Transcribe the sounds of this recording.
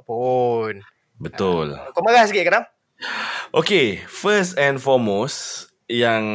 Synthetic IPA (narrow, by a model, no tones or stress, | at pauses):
pun | bət̪ʊlkomaɣahs̬ɡɪʔkaɾam | ʔokefəstɛ̃nfɔmos | jãŋ